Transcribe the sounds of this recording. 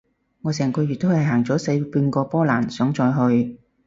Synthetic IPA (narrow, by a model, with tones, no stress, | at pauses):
ŋɔː˨˧sɛː˨˩ŋkʰɵ˨˧ɥyː˨˩t̪̚o˥whɐ˨jɦaː˨˩ŋt͡sɔː˨˥se˨˧jpyː˧nkɔː˧pɔː˥laː˨˩nsœː˨˥ŋt͡sɔː˧jɦɵ˧ɥ